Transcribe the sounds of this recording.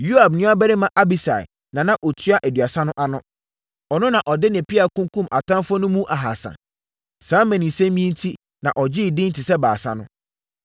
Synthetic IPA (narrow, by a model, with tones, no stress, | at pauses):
ju˦a˨bnʊ̃˦a˦bɛ˦ɾɪ˦mã˨ʔa˦bi˨sa̰˨ɪ̰˨ | nã˨nã˦ʔɔ˨tʰɥa˦ʔæ˨dɥa˨sã˦nʊ̃˦ʔa˨nʊ̃˦ | ɔ˨nʊ̃˦nã˨ʔɔ˨dɪ˦nɛ̃˨pʰi˦a˨kʰũ˦ŋkʰũ˦ma˨tʰã˦mfɔ˦nʊ̃˦mũ˦ʔa˨ɦa̰˨sã̰˨ | sãː˨˦mɛ̃˨nĩ˨sɛ̃˦mĩ˦n̩˦tʰi˦ | nã˨ʔɔ˨d͡ʑɪ˦˨dɪ̃˦n̩˦tʰɪ˨sɛ˦ba̰ː˨sã̰˦nʊ̃˦